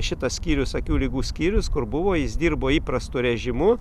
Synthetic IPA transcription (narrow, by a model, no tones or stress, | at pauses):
ʃʲɪt̪ɐssʲkʲiːɾʲʊsɐkʲuːlʲɪɡuːsʲkʲiːɾʲʊskʊɾbʊʋoːjɪsd̪ʲiːrboːiːpɾɐst̪ʊɾʲɛʒʲɪmʊ